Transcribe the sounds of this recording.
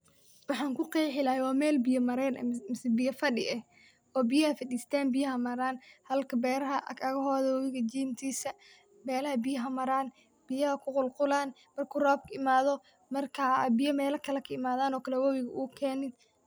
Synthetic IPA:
wɑħɑːŋkʰʊqɛjħɪlaːjɛwɑːmɛːlbɪjɐmɐɾɛnɐ̰mɪsbɪjɐfɐɗɪ̰ʔɛh | ɔːbɪjɐhɐfɐd̪ist̪ʰaːnbɪjɐɦɐmɐɾaːnhɐlkʰɐbɛːɾɐɦɐʔɐɣɐɦɔːðɐwɔwɪɣɐt͡ʃiːmt̪ʰiːsɐ | mɛːlɐɦɐbɪjɐɦɐmɐɾaːn | b̥ɪjɐhɐkʰʊqʊlqʊlaːn | mɐrkʰʊrɔːb̚kʰɐɪmaːðɔ | mɐrkʰaːbɪjɐmɛːlɐkʰɐlɐkʰɐɪmaːðaːnɔːkʰɐlɛwɐwɪɣɐʔuːkʰɛːnɪd̪

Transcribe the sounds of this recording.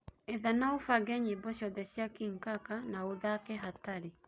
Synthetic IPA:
eðanaofaɡɛɲebɔɕɔðɛɕjakiŋkakanaoðakɛɦataɾe

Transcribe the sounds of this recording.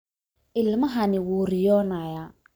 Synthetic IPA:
ʔɪlmɐɦanɪwuːɾɪjɔːnaːja

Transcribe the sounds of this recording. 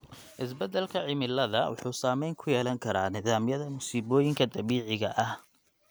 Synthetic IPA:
ʔɪs̬bɛd̪ɛlkʰɐʕɪmɪlɐðɐwʊ̰ħuːsaːmɛjŋkʰʊjɛːlɐŋkʰɐɾaːnɪðaːmjɐðɐmʊsiːβɔːjɪŋkʰɐd̪ɐβiːʕɪɣɐʔɐh

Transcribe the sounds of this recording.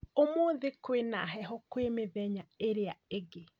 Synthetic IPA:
omoðekwena̰ɦɛɦɔkwemeðɛɲaeɾeaeɡe

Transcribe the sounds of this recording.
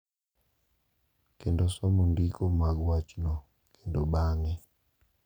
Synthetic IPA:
kendosɔmundikomaɡwat͡ʃnɔ | kʰendoɓaŋɛ

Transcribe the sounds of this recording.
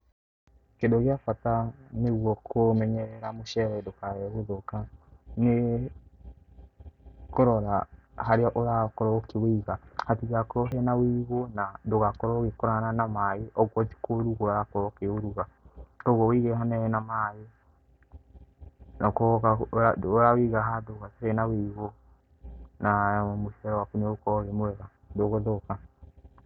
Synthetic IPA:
kendoɣeafataneɣwɔkʰomɛɲɛɾɛɾamoʃɛɾɛdokaɛoðokane | koɾɔɾahaɾeaʔoɾakoɾɔkeweɣahatiɣakoɾɔɦɛnawiɣonadoɣakoɾɔɣekoɾananamaeʔɔɣwɔzi̥koɾuɣoaɾakoɾɔkeoɾuɣadoɣɔwiɣɛɦanɛnamae | nakokaoɾawiɣaɦadoɣatehɛnaweɣo | namoʃɛɾɔwakuneokɔɣemowɛɣa | doɣoðoka

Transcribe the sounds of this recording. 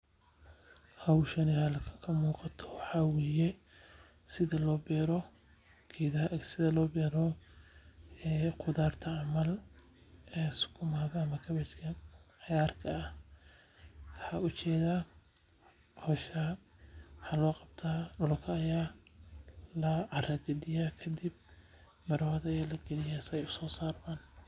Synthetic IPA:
hɐwʃɐnɪhɐlɐkʰɐkʰɐmuːqɑt̪ʰɔ̥wɑħɑwɛjɛ | sɪðɐlɔːbɛːɾɔ | kʰɛjðɐhsɪðɐlɔːbɛːɾɔ | ɛːqʰʊðaːrt̪ʰɐʕɑmɐl | ɛːsʊ̥kʰʊmaːðɔɐmɐkʰɐβɛt͡ʃkʰɐħjaːrkʰɐː | ħɑʊt͡ʃɛːða | hɔːʃa | ħɑlɔːqɑb̥̚t̪ʰaːɖʊlkʰɐːjaː | lɐʕɑɾɐɡɐd̪ɪjakʰɐd̪ɪb̚ | mɐɾwɐðɐɛːlɐɡɐlɪjasɛjʊsɔːsaːrmaːn

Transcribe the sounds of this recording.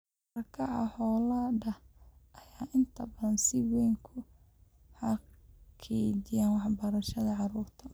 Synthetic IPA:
ɐɾkʰɐʕɑ̰hɔːladɐhʔɐjaːʔɪnt̪ʰɐbɐðɐnsɪwɛjŋkʰʊ | hɐkʰɛːdɪjaːnwɑħbɐɾɐʃɐðɐʕɑɾuːrt̪ʰɐ

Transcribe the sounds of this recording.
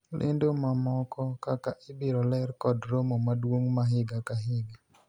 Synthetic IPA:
lʔḛndomamɔkɔkakaʔɪbɪɾɔlɛrkɔdɾomomadwoŋmaɦɪɡakaɦɪɡa

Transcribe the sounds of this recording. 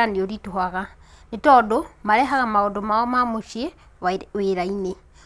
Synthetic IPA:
andjoɾituhaɣanitodomaɾexakamaɣodomaomamuʃje | weɾaine

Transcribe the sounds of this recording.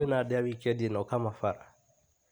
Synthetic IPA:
ɛnaɗɛawikɛdinɔkamafaɾa̰

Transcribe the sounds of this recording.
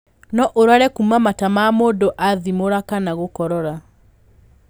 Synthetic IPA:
nɔʔoɾwaɾɛkumamatamaːmoːdoʔaðimoɾakanaɣokɔɾɔɾa

